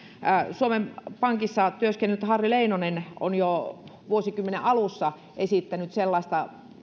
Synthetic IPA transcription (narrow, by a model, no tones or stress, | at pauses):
suomempɑŋkisːɑt̪yøskenːˑyt̪hɑrːileinoneno̰njoʋuosikymːeneʔʔɑlusːɑ | ʔesit̪ːænyt̪selːɑˑĭst̪ɑ